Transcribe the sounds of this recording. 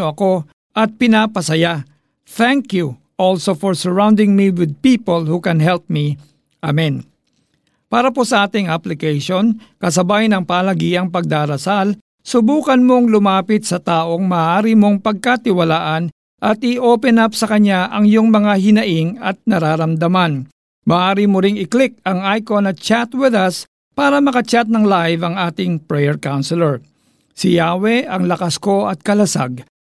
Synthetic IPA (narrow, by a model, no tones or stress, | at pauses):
oɐko̞ | ʔɐt̪̚pɪnaːpɐsɐja | θɛŋkju | ʔolsofɔɹsɛɹawnd̪ɪŋmiwɪd̪̚piːpolhukɛnɦɛlp̚mi | ʔamɛn | paːɾɐpo̞sɐʔaːt̪ɪŋaplɪkɛjʃonkɐs̬ɐbajnɐŋpaːlɐɡiːɐŋpɐɡ̚d̪aːɾɐsal | sʊbuːkɐnmo̞ŋlʊmaːpɪt̪̚sɐt̪aːʔo̞ŋmaːʔaːɾimo̞ŋpɐɡ̚kat̪ɪwɐlaːʔɐn | ʔɐt̪̚ɪʔo̞ːpɛnapsɐkɐɲaʔɐŋjoŋmɐŋaɦɪnɐʔɪŋɐt̪̚nɐɾaːɾɐmd̪ɐman | mɐːʔaːɾimoɾɪŋɪklɪk̚ɐŋajkonɐt̪̚t͡ʃat̪wɪðɐs | paːɾɐmɐkɐt͡ʃat̪̚nɐŋlajvɐŋaːt̪ɪŋpɹɛjɛɹkawnsɛlɛɹ | sɪjaːwɛʔɐŋlɐkɐsko̞ʔɐt̪̚kɐlɐsa̰ɡ̚